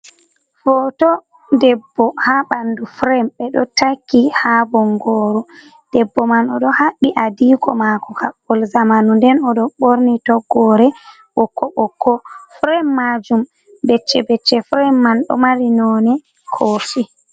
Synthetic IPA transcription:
fɔtɔ | dɛbːɔhaɓandufɾɛmɓɛɗɔtakːihabɔŋɡɔːɾɔ | d̥ɛbːɔmanɔɗɔhaɓːiʔadiːkɔmakɔkaɓɔlzamanundɛnɔɗɔɓoɾnitɔɡɔɾɛ | wɔkːɔɓɔkːɔfɾɛmːad͡ʒum | bɛt͡ʃːɛbɛt͡ʃːɛfɾɛmːanɗɔ̰maɾinɔːnɛ | kʰoːfi

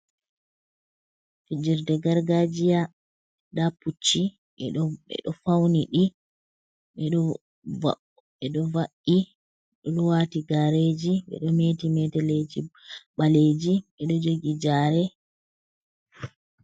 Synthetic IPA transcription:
fid͡ʒiɾdɛɡaɾɡad͡ʒija | daput͡ʃːi | ɛ̰ɗɔfawniɗi | ɛ | ɛɗɔvaʔi | ɗɔluwatiɡaɾed͡ʒiɓɛ̰ɗɔmeːtimɛtɛled͡ʒiɓaled͡ʒiɓɛɗɔd͡ʒoɡid͡ʒaːɾɛ

